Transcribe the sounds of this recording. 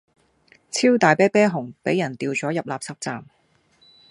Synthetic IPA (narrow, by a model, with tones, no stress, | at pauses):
t͡sʰiː˥wt̪aː˨jpɛː˥pɛː˥ɦʊ˨˩ŋpe˨˥jːɐ˨˩nt̪iː˨˧wt͡sɔː˨˥jɐ˨p̚laː˨p̚sɐ˨p̚t͡saː˨m